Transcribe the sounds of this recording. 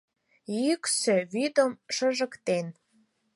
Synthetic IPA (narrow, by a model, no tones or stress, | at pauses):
jyksøβyd̪əmʃəʒəkt̪en